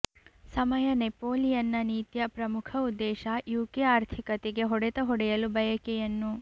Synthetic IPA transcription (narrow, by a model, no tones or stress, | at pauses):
sɐmɐjɐnepoːlijɐnːɐniːt̪jɐpɾɐmukʰɐud̪ːɛːʃɐjuːkeaːɾt̪ʰikɐt̪eɡe̞ɦɔɽet̪ɐɦɔɽɛjɐlubɐjɐkejɐnːu